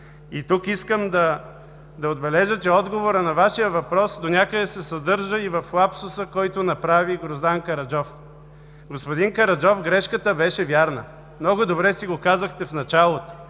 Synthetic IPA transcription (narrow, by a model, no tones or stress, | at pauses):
it̪ukiskəmd̪ɐ | d̪ɐod̪̚bɛlɛʒət͡ʃɛɔd̪ɡovoɾənɐvaʃijəvɐpɾɔsd̪onʲakəd̪ɛsɛsɐd̪ɤɾʒəivɐflˠapsʊsəkɔjt̪ʊnɐpɾaviɡɾozd̪aŋkɐɾɐd͡ʒɔf | ɡospod̪iŋkɐɾɐd͡ʒɔfɡɾɛʃkət̪əbɛʃɛvʲjaɾnə̰ | mnɔɡʊd̪obɾɛsiɡokazəxt̪ɛfnɐt͡ʃalˠot̪o̥